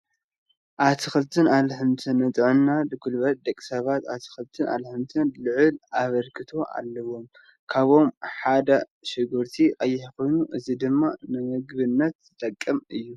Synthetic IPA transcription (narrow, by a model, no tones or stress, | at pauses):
ʔat̪ʰixɨlt̪ʰɨnalħɨmt̪ʰɨnːɨt͡s̪ʼʕɨnːad̪ɨɡulβɐt̪̚d̪ɐkʼi̥sɐβat̪at̪ʰi̥xɨlt̪ʰɨnʔa̰lħɨmt̪ʰɨnlɨʕɨlaβɐlkʰɨt̪ʰo̞ʔa̰lːɐwo̞m | kʰaβo̞mħad̪a | ʃɨɡɨɾt̪ʰiʔʼajːɪħkʰo̞jnuʔɨzid̪ɨmːanɨmɨɡβɨnːɐt̪zɨt̪ʼɐkʼːɨmɨjːu